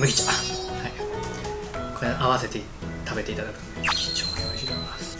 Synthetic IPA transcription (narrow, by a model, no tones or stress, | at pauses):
mɯ̟ɡʲit͡ɕḁhai | kʰoɾẽʔaβase̞t̪e | t̪ʰabe̞t̪e̞it̪ad̪akɯ̥t͡ɕot̪eɕiːt̪omomasɨ̥